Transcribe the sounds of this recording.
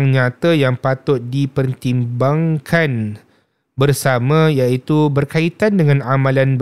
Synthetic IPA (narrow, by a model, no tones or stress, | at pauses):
ŋɲãt̪əjaŋpat̪ʊt̪̚dipərt̪imbaŋkʰan | bərsamãjait̪ubərkait̪andəŋãnamãlanb